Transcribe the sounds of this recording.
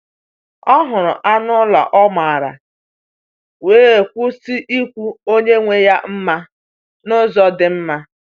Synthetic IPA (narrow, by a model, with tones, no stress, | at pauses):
ɔ˦ɦʊ˨ɾʊ̰˨ʔa˦nʊ˦la̰˨ʔɔ˦ma˨a˨ɾa̰˨ | weː˦e˨kʷu˦si˦ʔi˦kʷu˦o˦ɲe˦ŋʷe˦ja˦m̩˦ma˦ | nʊ˦zɔ˦dɪ˨m̩˦ma˦